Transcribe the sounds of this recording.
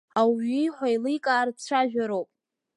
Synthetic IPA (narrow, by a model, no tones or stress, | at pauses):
awiħʷajlɨjkʼaːrt͡sʷʰaʒᶣaɾowpʼ